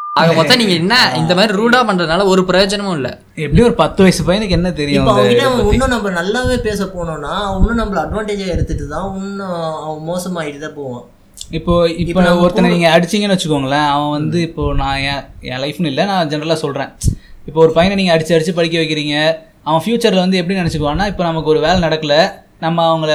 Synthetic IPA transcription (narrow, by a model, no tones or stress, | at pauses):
aːɣɐmɔːɐ̃niːŋɡɐɛnːɐɪnd̪ɐmaːd̪ɾiɾuːɽaːpɐɳːɾɐðnaːlɐɔɾɯpɪɾɐjoːd͡ʒɐnɐmʊ̃ɪlːɐ̰ | ɛpːɐɽiɔɾɯpɐt̪ːɯʋɐjsɯpɐjɐnɯkːɛnːɐt̪̬ɛɾɪjʊ̃ːoɐd̪ɐŋɡɪʈːɐɐʋɐ̃ʊnːʊ̃nɐmbɐnɐlːaːʋeːpeːs̬ɐpoːɳõːnːaːʊnːɯ̃nɐmːɐɭɐɐɖʋãːɳʈeːd͡ʒaɪɾɯt̪ːɯʈːɯt̪ãːʊnɯɐʋɐ̃moːsɐmaːɪʈɯt̪epoːʋãː | ɪpːoːɪpːoɔɾɯt̪ːɐnɐniːŋɡɐɐɽɪt͡ʃːɪŋɡɐnʋɐt͡ʃːɯkːɐʋɐːŋɡɐɛlːɐɐʋɐ̃ʋɐnd̪ɯɪpːoːnãːẽḛ̃ːlɐɪfɯnɪlːɐnãːd͡ʒɛnɐɾɐlaːsɔlrẽːɪpːoːɔɾɯpɐjɐnniːŋɡɐːɽɪt͡ʃːɯɐɽɪt͡ʃːɯpɐɽɪkːɐʋɐɪkːɪɾiːŋɡɐ | ɐʋɐ̃fjuːt͡ʃɐɾlʋɐnd̪ɯɛp̬ːɐɽinɪnɛt͡ʃːɯkːɯʋãːŋnːaːɪpːoːnɐmɐkːɯɔɾɯʋeːlɛnɐɽɐkːɐlɐ | nɐmːɐɐʋɐŋɡɐɭ